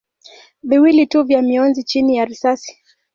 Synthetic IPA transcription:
viwilituvjamiɔnzit͡ʃinijaɾisasi̥

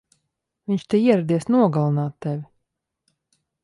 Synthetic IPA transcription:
vʲiɲʲt͡ʃt̪eiɛɾad̪iɛsnuɔɡalˠanaːt̪ːɛvʲi

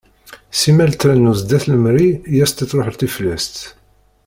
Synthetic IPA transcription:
simælt̪ɾænuzd̪æθləmɾijæst̪itːˤɾoħlt̪iflæst̪

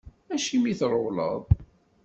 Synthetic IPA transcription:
æʃimiθɾˤowlə̰ðˤ

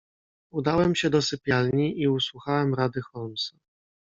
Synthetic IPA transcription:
ud̪awɛmɕɛd̪ɔsɘpʲjalɲiʔiuswuxawɛmɾad̪ɘxɔlmsa

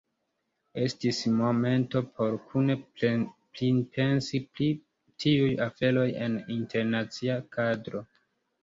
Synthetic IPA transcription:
e̞stismo̞me̞nto̞pʰo̞ɾkʰuneplinpʰe̞nsipli | tʰiujafe̞lo̞je̞̰ninte̞ɾnat͡siakadɾo̞

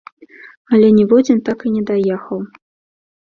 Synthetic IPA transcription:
ɐlʲɛnʲɛvɔd͡zʲint̪akinʲɛd̪ajɛxɐw

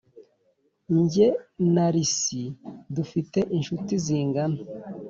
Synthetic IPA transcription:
ɲɟenaɾisidufite̞ʔinʃutiziːŋɡano

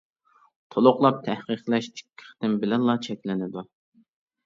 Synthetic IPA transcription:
t̪ʰolˠʊqlˠɑp̚t̪ʰɛhqəqlˠɛʃt͡ʃʰi̥kʲʰːɪ̥χt̪ɪnbɪlɛnlːˠɑt͡ʃʰɛkʲlɪnɪd̪u

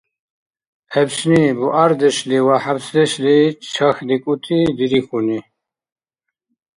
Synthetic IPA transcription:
hɛbsnibuʔaɾd̪ɛʃliwaħabsd̪ɛʃlit͡ʃʰaxd̪ikʼut̪ʰid̪iɾixuni

